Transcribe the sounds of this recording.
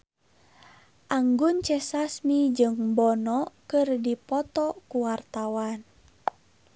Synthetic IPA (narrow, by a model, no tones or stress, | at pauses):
ʔaŋɡunt͡ʃɛsasmid͡ʒɨŋbɔnɔkɨrdipɔt̪ɔkuwart̪awan